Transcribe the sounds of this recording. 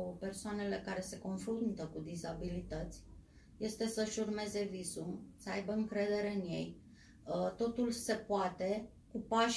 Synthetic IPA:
pe̞rsoane̞le̞kaɾe̞se̞ko̞nfɾunt̪əkud̪izabilit̪ət̪sʲ | je̞st̪e̞səʃurme̞ze̞vizumsəajbəɨŋkɾe̞d̪e̞ɾe̞ɨnje̞̰j | t̪o̞t̪ulse̞poat̪e̞ | kupaʃ

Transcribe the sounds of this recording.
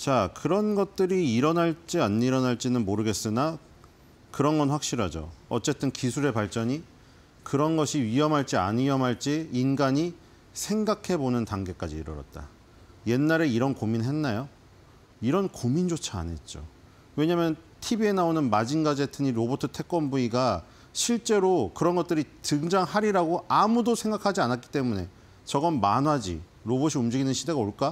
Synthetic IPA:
t͡ɕakɯɾʌnɡʌt̚t͈ɯɾiːɾʌnaɭt͡ɕ͈ianːiɾʌnaɭt͡ɕ͈inɯnmoɾɯɡe̞s͈ɯna | kɯɾʌnɡʌnɸwak̚ɕ͈iɾɦad͡ʑo̰ʌ̰t͡ɕ͈e̞t͈ɯnkisʰuɾe̞paɭt͡ɕ͈ʌɲi | kɯɾʌnɡʌɕʰiɥiɦʌmɦaɭt͡ɕ͈ia̰ɲijʌmɦaɭt͡ɕ͈iːnɡaɲi | sʰe̞ŋɡakʰe̞bonɯntaŋɡe̞k͈ad͡ʑiːɾɯɾʌ̰t̚t͈a̰ | je̞nːaɾe̞iɾʌnkominɦe̞nːajo | iɾʌnkomind͡ʑot͡ɕʰaa̰ne̞t̚t͡ɕ͈o̰ | we̞ɲamjʌn | tʰibie̞naonɯnmad͡ʑinɡad͡ʑe̞tʰɯɲiɾobotʰɯtʰe̞k͈̚ʌnbuiɡa | ɕʰiɭt͡ɕ͈e̞ɾokɯɾʌnɡʌt͈ɯɾitɯŋd͡ʑaŋhaɾiɾaɡoʔamudosʰeŋɡakʰad͡ʑianat̚k͈i̥t͈e̞mune̞ | t͡ɕʌɡʌnmanwad͡ʑḭ | ɾoboɕʰiumd͡ʑiɡinɯnɕʰide̞ɡaoɭk͈a

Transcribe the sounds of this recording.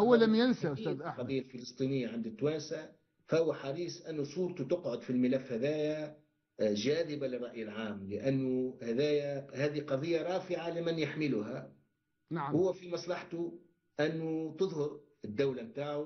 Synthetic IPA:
hʊwːalamjansaʊsæðaqɑðˤɨjːalfɪlɨsˤt̪ˤiːnɪjːaʕɪnd̪ɪt̪ːwaːnsa | fahʊwːaħɑɾˤiːsʔɪnːʊsˤuːɾt̪ut̪ʊqʕʊd̪filmɪlafːhaðæːja | ʒaːd̪ɪbalɪrˤːɑʔjɪlʕaːmlɪʔanːʊhaðæːjahaːðiqɑðˤɨjːaɾˤɑːfɪʕalɪmɪnjaħmɪlʊɦa | nahʊwːæfimɑsˤlɑħt̪u | ʔɪnːʊt̪ɨðˤhʊɾ | ɪd̪ːawlamt̪aːʕu

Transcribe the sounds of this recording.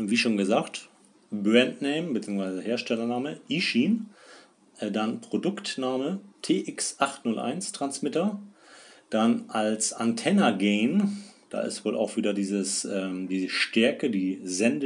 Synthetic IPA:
viːʃoːnɡəzaːkt | bɛntnɛɪmbət͡siːʊŋsvaɪzəheːɐʃtɛlɐnaːməʔiʃiːn | ʔɛdanpʁ̥odʊktnaːmətʰeːʔɪksʔaχtnʊlʔa̰ɪnstʁ̥ansmɪtɐ | d̥anʔalsantʰɛnɐɡɛːnd̥a̰ːʔɪ̰stv̥oːlʔa̰ʊxv̥iːdɐdiːzəsʔɛːmdiːzəʃtɛɐkədiːzɛndə

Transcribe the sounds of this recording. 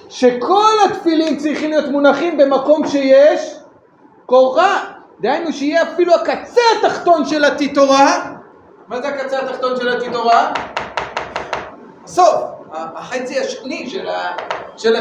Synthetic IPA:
ʃe̞kʰo̞lat̪filimt͡sʁiχimlijo̞t̪munaχimbe̞mako̞mʃe̞jeʃ | koʁa | d̪eajnuʃeijeafiluakat͡seat̪aχt̪o̞nʃe̞lat̪it̪o̞ʁa | mazeakat͡seat̪aχt̪o̞nʃelat̪it̪o̞ʁa | aso̞faːχet͡siaʃoniʃelaʃela

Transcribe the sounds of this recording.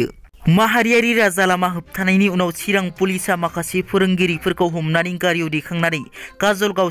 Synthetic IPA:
maɦaɾijaɾiɾazalamaɦɯp̚tʰanajniunawt͡ʃʰiɾaŋpulisamakʰasepʰɯɾɯŋɡiɾipʰɯɾkawɦumnaɾiŋkaɾjowdekʰaŋnaɾɯjkazolɡaw

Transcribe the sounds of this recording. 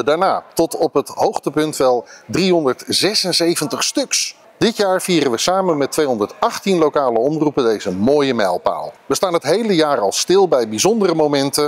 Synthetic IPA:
daːɹnaːtɔtɔpɦətɦowχtəpɵntʋɛlˠdriɦɔndəɹtz̥ɛsənzejvəntəχstɵks | d̥ɪtjaːɹviːrənʋəsaːmənmɛtʋejɦɔndəɹtɑχtinlowkaːləɔmrupəndejzəmoːjəmɛjlˠpa̰ːlˠʋəstaːnɦətɦejləjaːrɑlˠstɪlˠbɛjbizɔndərəmomɛntə

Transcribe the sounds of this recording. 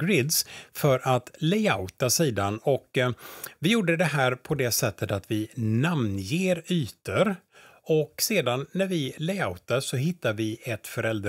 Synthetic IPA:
ɡɾɪd̪sfœɾʔat̪lɛaʊt̪asiːd̪anɔk | vɪjuːɖəd̪ɛɦæːɾpʰɔd̪ɛsɛt̪ːət̪at̪vɪnamnjeːɾyːt̪əɾɔkseːd̪anːæɾvɪlɛaʊt̪asɔɦɪt̪ːaɾvɪɛt̪fœɾɛld̪ɾ

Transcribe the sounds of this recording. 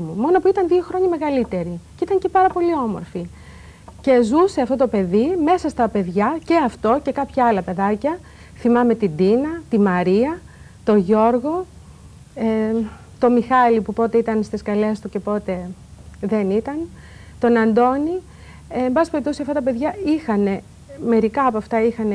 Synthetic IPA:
umo̞nopuit̪ɐnðio̞xɾo̞ɲɐme̞ɣɐlit̪e̞ɾiceit̪ɐɲcepɐɾɐpo̞lio̞mo̞̰ɾfi | ce̞zuse̞ɐft̪o̞t̪ope̞ðime̞sɐst̪ɐpe̞ðʝɐce̞ɐft̪o̞ce̞kɐpçɐɐlɐpe̞ðɐcɐ | θimɐme̞t̪id̪inɐt̪imɐɾiɐ | t̪o̞ʝo̞ɾɣo̞ | e | t̪o̞mixɐlipupo̞t̪e̞it̪ɐnst̪iskɐle̞st̪uce̞po̞t̪e̞ | ðenit̪ɐn | t̪o̞nɐnd̪o̞ni | embɐsipe̞ɾip̚t̪osiɐft̪ɐt̪ɐpe̞ðʝɐixɐne̞ | me̞ɾikɐːpoɐft̪ɐixɐne

